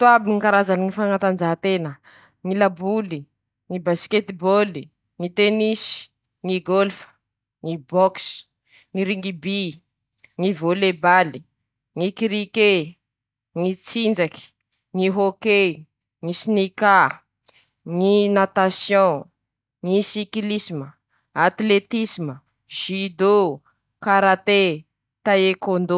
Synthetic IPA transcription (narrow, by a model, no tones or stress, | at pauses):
t̪uabiŋikaɾazaniŋifaŋat̪and͡ʒaɦt̪enə | ŋilabuli | ŋibasket̪iboli | ŋit̪enisi̥ | ŋiɡolfə̥ | ŋibɔks | ŋiɾiŋɡibi | ŋivolebali | ŋikiɾike | ŋit͡sind͡zaki̥ | ŋiɦoke | ŋisinika | ŋinat̪asjɔ̃ | ŋisiklisimə | at̪let̪isimə | ʒ̥id̪o | kaɾat̪e | t̪aekond̪o